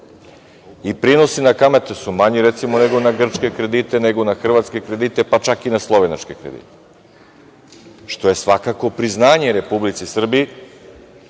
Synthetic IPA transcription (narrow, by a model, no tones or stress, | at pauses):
ipɾino̞sinakame̞t̪esumaɲiɾet̪simo̞ne̞ɡo̞naɡr̩t͡ʃke̞kɾe̞d̪iːt̪e̞ne̞ɡo̞naxr̩ʋat̪ske̞kɾe̞d̪it̪e̞pat͡ʃakinaslˠo̞ʋena̰t͡ʃke̞kɾḛd̪ḭːt̪e | ʃt̪o̞je̞sʋakako̞pɾiznaːɲeɾe̞publit̪sisr̩bi